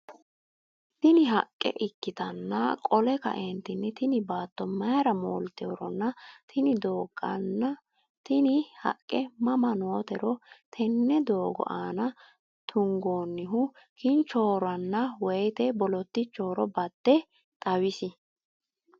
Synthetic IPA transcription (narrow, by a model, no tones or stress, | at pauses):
t̪ɪnɪɦɐkʼːɛ̰ʔɪkːɪt̪ɐnːɐkʼɔlɛkɐ̰ʔɛnt̪ɪnːɛt̪ɪnɪbaːt̪ːɔmɐjɾɐmo̰ːlt̪eɔɾɔnːɐt̪ʰɪnɪd̪oːɡɐn | t̪ɪnɪhɐ̰kʼːɛmɐmɐnoːt̪ɛɾɔt̪ʰɛnːɛd̪o̞ːɡɔ̰ʔaːnɐ | t̪ʰʊŋɡoːnːɪɦʊ | kʰɪnt͡ʃːo̞ːɾɐnːɐwɛjt̪ɛbɔlɔt̪ːɪt͡ʃːo̞ːɾɔbɐd̪̥ːɛ | t̪ʼɐwɪsɪ